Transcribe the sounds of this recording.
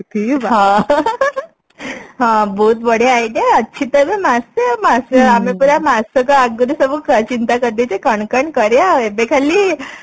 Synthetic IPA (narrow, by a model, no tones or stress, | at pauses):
ʈʰiɦã | ɦãbuːt̪bəɽeajɖiaətːɕʰit̪əbemastemasəamepuɾamasəkəaɡuɾusəbukt͡ɕint̪akəd̪et͡ɕekəɳkəɳkəɾjaebekʰaliː